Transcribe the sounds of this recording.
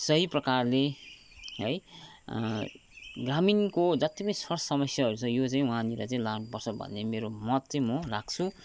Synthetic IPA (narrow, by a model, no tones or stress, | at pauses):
sʌɦiprʌkarle | ɦʌj | ɡraminkod͡zʌt̪ipʌnĩsʌrssʌmʌsjaɦʌɾut͡sʰʌ̃jot͡saĩwũɦãnila̰t͡saĩlanupʌrt͡sʰʌbʱʌ̰nːemeɾomʌt̪t͡saĩmʌlaɡ̚t͡sʰu